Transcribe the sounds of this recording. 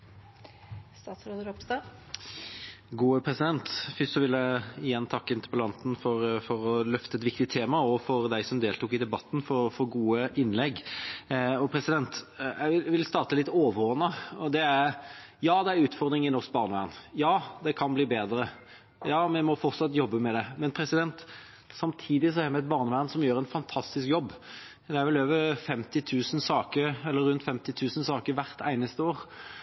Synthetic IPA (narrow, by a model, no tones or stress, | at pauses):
st̪ɑːt̪sɾoːd̪əɾɔpst̪ɑ | ɡuːəpʰɾɛsɪd̪ɛnt̪fʏst̪sɔʋɪlæɪɪjɛnːt̪ʰɑkːəɪnt̪əpəlɑnt̪n̩fɔɾfɔɾɔlœft̪əɛt̪ʋɪkt̪ɪt̪ʰːeːmɑɔfɔɾd̪æɪsɔmd̪eːlt̪uːkɪd̪ɛbɑt̪ːn̩fɔɾfɔɾɡuːəʔɪnlɛɡː | ɔpʰɾɛsɪd̪ɛnt̪æɪɪʋɪlst̪ɑːʁt̪əlɪt̪ːoːʋəɾɔːnəɔd̪ɛæɾ | jɑːd̪ɛæɾʉːt̪fɔɾd̪ɾɪŋɪnɔʁsk̚bɑːʁnəʋæ̰ːʁnjɑːd̪ɛkʰɑnbliːbeːd̪ɾə | jɑːmɛmɔfɔʁt̪sɑt̪ːjɔbːəmɛd̪ɛmɛnpʰɾɛsɪd̪ɛnt̪ | sɑmt̪ʰiːd̪ɪs̬ɔæɾmæɪɛt̪̚bɑːʁɾnəʋæːʁnsɔmjøːɾɛnfɑnt̪ʰɑst̪ɪskjɔbː | d̪ɛæʋɪløːʋəɾfɛmt̪ɪt̪ʰʉːsən̩sɑːkəɾɛlːəɾːʉnt̪fɛmt̪ɪt̪ʰʉːsən̩sɑːkəɾʋæʁt̪ʰæɪnəst̪əoːɾ